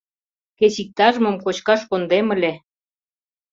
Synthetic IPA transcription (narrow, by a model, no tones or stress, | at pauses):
ket͡ɕik̚t̪ɑʒəmə̆mkot͡ɕkɑʃkond̪emə̆lʲe